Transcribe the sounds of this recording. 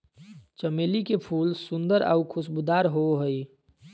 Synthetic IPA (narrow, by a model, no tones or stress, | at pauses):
t͡ʃəmeːlikepʰuːlsʊ̃nd̪əɾa̰ʊkʰʊsbud̪aːɾɦoɦəi